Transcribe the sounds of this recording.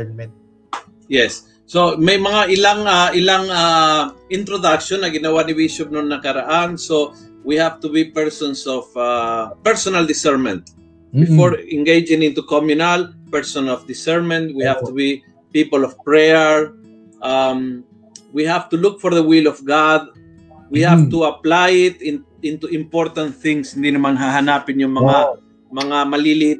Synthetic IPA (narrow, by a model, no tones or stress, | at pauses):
jɛsː | omajmɐŋaʔɪlaŋaɪlaŋaɪ̃nt̪ɾod̪akʃõnːɐɡɪnawanibiʃʊp̚nɔnːɐkɐɾaʔanso | wihavt̪ubipɛɹsɔ̃nsɔvapɛɹsɔnald̪ɪsɛɹmɛ̃nt̪̚ | bɪfɔɹɛ̃ŋɡejd͡ʒɪ̃ŋɪ̃nt̪ukɔmjʊnalpɛɹsɔ̃nɔvd̪isɛɹmɛ̃nt̪wihavt̪ubi | pipolɔfpɹɛɛɹ | am | wihavt̪ulukfɔɾðəwilɔfɡad̪̚ | wihavt̪uaplajɪt̪ĩn | ĩnt̪uĩmpɔɾt̪ãnt̪θĩŋsĩnd̪inumãnɦaɦanapĩnjɔŋmaŋa | mɐŋamalilit